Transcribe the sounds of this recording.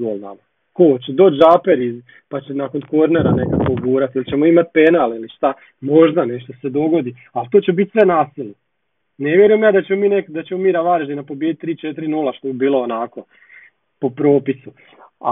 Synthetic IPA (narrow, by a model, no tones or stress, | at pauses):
ɡolna̰ma | kot͡ɕed̪o̞ːt͡ʃd͡ʒapeɾiz | pat͡ɕenako̞nko̞ɾneɾane̞kakoobuːɾat̪ilˠt͡ɕe̞moimat̪̚pe̞naliliʃt̪a | mo̞ʒd̪ane̞ʃt̪o̞se̞d̪o̞ɡo̞d̪i | alt̪ot͡ɕebit̪sʋe̞naːsile | ne̞ʋje̞ɾujemjaːd̪at͡ɕemo̞miːnekd̪at͡ɕemo̞miːɾaʋaːɾeʒinapobjed̪it̪ːɾiːt͡ʃe̞t̪iɾinulˠaʃt̪o̞bibiːlˠo̞onako̞ | po̞pɾo̞ːpisu | a̰